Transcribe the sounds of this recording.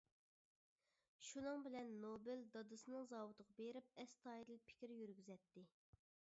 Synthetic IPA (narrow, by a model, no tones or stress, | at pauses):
ʃunɨŋbɪlɛnːobɪld̪ɑd̪ɨsɨnɨŋzɑːwut̪ʰəʁɑbeɾɪp̚ɛst̪ʰɑjɾɨlˠpʰɪ̥kʲɾɪjyɾɡʲyzɛt̪ʰːɪ